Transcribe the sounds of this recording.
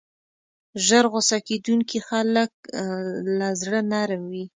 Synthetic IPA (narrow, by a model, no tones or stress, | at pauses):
ʒəɾɣosaked̪uŋkixalək̚ | lazɽənaɾmwi